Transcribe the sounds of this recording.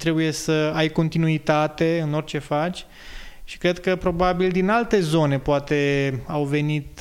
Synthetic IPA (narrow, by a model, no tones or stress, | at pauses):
t̪ɾe̞buje̞səajko̞nt̪inuit̪at̪e̞ɨno̞rʲt͡ʃe̞fat͡ʃʲ | ʃi̥kɾe̞d̪kəpɾo̞babild̪inalt̪e̞zo̞ne̞poat̪e̞awve̞nit̪